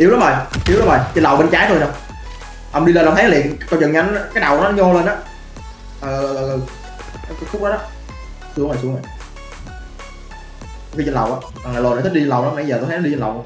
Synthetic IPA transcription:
ʔi˨˦əwla˨˦məː˨˩jʔi˨˦əwla˨˦mɓəː˨˩jt͡ɕə˧nla˨˩wɓe˧nt͡ɕaː˨˦jt̪ʰo˧˩jna˨˧˩w | ʔə˨˩ŋ͡mɗi˧ləː˧nlːt̪ʰa˨˦lḭ˨ən˨kːwt͡ɕə˨˩ŋa˧n˨˦kaː˦jɗa˨˩wɔ˨˦nɔ˦ɲo˧lə˧nʔaː˨˦˥ | ʔə˨˩ʔə˨ʔʔəː˨˩ʔə˨˩˨ | xʊ˦˥k͡p̚ɗɔ˨˦ɔ˨˦ | sɨ˦əŋə˨˩sɨ˨˦ŋə˨˩j | o˧˩xi˧t͡ɕə˧nla˨˩wʔaː˨˦ | ɓa˨˩ŋaː˨˩lo˨˩n˨˩t̪i˦˥i˧t͡ɕə˧nla˨˩wnɔ˨˦a˧˩˦jzəː˨˩t̪j̪ʰtʰːnɔ˧i˧t͡ɕə˧nla˨˩w

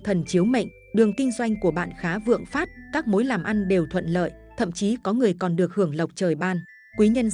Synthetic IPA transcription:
t̪ʰə˨˩nt͡ɕi˨˦əwmə̰˧˨ŋ̟ | ɗɨ˨˩əŋkï˧ŋ̟zwa˧jŋ̟ku˧˩əɓa̰ː˧˨nxaː˨˦vɨ̰˧˨əŋfaː˦˥t̚kaː˦˥k̚mo˨˦jlaː˨˩mʔa˧nɗe˨˩wt̪ʰwə̰˧˨nlə̰ː˧˨j | t̪ʰə̰˧˨mt͡ɕi˨˦kɔ˨˦ŋɨ˨˩əjkɔ˨˩nɗɨ˨˩ək̚hɨ˧˩əŋlə˨˩wk͡p̚t͡ɕəː˨˩jɓaː˧˩n | kwi˨˦ɲə˧n

